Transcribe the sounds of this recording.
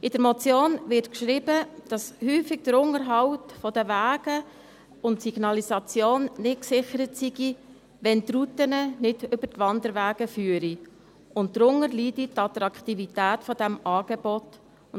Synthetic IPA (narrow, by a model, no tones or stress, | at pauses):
ʔɪd̥əɾmɔt͡sjoːnʋɪrtkʃɾibəd̥ɑshyːfɪɡ̚d̥əɾʊŋəɾɦɑwtfɔdəʋæːɡ̥ə | ʊntsiɡ̥nɑlisɑt͡sjoːnnɪtksɪχəɾətsiɡi | ʋɛntɾutənənɪd̥ʏbəɾtʋɑndəɾʋæːɡ̥əfyːəɾi | ʊnt̚t̪ɾʊŋəɾliditɑt̪ɾɑkt̪ivitæːtfɔd̥æmɑːɡ̥ebɔt | ʊ